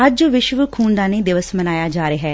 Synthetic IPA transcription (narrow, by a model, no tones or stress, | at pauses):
əd͡ʒʋɪʃʋəkʰuːnd̪aːneːd̪ɪʋəsmənaːjaːd͡ʒaːɾeːɦɛː